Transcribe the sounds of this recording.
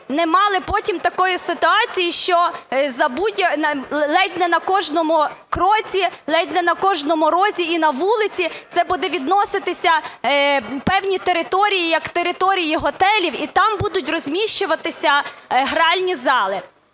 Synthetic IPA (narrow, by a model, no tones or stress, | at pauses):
nɛmɑlˠɪpɔtʲimt̪ɐkɔjisɪt̪ʊɑt͡sʲijiʃt͡ʃɔzɐbudʲjɐɐlˠɛdʲnɛnɐkɔʒnɔmʊkɾɔt͡sʲilˠɛdʲnɛnɐkɔʒnɔmʊɾɔzʲiinɐʋulˠɪt͡sʲit̪sɛbud̪ɛʋʲid̪nɔsɪt̪ɪsʲɐ | pɛwnʲit̪eɾɪt̪ɔɾʲijijɐkt̪eɾɪt̪ɔɾʲijiɦɔt̪ɛlʲiwit̪ɑmbud̪ʊtʲrɔzʲmʲiʃt͡ʃʊʋɐt̪ɪsʲɐɦɾɑlʲnʲizɑlˠɪ